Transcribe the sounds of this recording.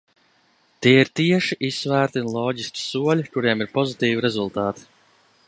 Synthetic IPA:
t̪iːiɾt̪iɛʃiʔisvæːɾt̪iunlˠɔːɟiskʲi̥suɔlʲikuɾiɛmiɾpɔzit̪iːviɾɛzulˠt̪aːt̪i̥

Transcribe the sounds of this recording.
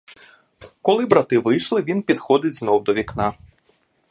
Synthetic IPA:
kɔlˠɪbɾɑt̪ɪʋɪjʃlˠɪʋʲinpʲid̪xɔd̪ɪtʲznɔwd̪ɔʋʲiknɑ

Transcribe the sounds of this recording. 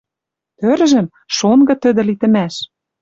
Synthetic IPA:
t̪øɾʒɘ̆m | ʃonɡɤ̆t̪ɘ̆d̪ɘ̆lit̪ɘ̆mæʃ

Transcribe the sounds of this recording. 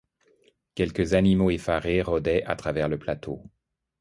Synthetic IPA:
kʲɛlkəzanimoefaʁeʁɔd̪ɛʔa̰t̪χavɛʁləplat̪ʰo

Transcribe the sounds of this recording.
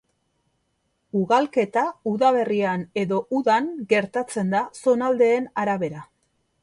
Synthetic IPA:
uɣalke̞t̪auðaβ̞e̞riane̞ðo̞ʔuðaŋɡe̞ɾt̪at͡se̞nd̪aso̞nald̪e̞ːnaɾaβe̞ɾa

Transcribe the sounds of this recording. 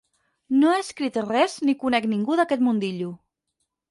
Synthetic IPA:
noaəskɾit̪ərɛznikunɛkniŋɡuðəkɛt̪mund̪iʎu

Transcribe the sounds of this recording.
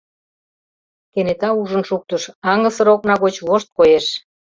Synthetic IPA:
kenet̪ɑuʒənʃuk̚t̪əʃɑŋɡə̆sə̆ɾoknɑɣot͡ɕβoʃt̪̚kojeʃ

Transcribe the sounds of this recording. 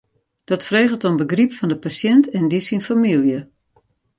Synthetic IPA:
d̥ɔtfreːɣəlˠtombəɡripfɔndəpasjɛntʰɛndisinfamilˠjə

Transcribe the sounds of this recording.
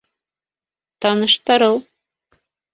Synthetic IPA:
t̪ɑnɤ̆ʃt̪ɑɾɤlˠ

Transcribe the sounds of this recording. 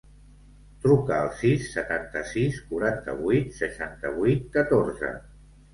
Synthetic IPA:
t̪ɾukəːlˠsisːət̪ant̪əsiskuɾant̪ə̰βujt̪səʃant̪əβujt̪̚kət̪oɾzə̰

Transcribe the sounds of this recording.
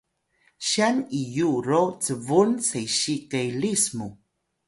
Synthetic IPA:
ɕanijuɾot͡səvunsejɕikejlismu

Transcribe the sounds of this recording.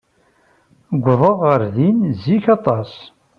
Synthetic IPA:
ɡʷːðˤəʁːəɾðinziçɑt̪ˤɑs

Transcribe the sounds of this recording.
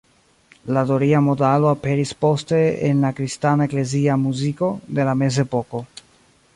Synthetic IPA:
ladoɾiamo̞dalo̞ape̞ɾispo̞ste̞ḛnlakɾistanae̞kle̞ziamuziko̞de̞lame̞z̬e̞po̞ko̞

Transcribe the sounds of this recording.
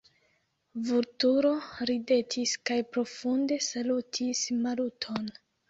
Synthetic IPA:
vuɾtuɾo̞ɾide̞tʰiskajpɾo̞funde̞salutʰismalutʰo̞n

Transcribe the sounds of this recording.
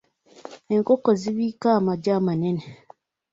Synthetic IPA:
eŋkokoziβiːkaːmaɟamanene

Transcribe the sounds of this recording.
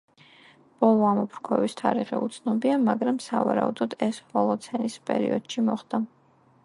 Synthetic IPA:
b̥ɔlˠɔamɔpʰɾkʰɔvist̪ʰaɾiʁɛ̰ut̪sʰnɔbiamaɡɾamsa̰va̰ɾaud̪ɔd̪ɛshɔlˠɔt̪sʰɛnispʼɛ̰ɾḭɔd̪̥ʃimɔχd̪a

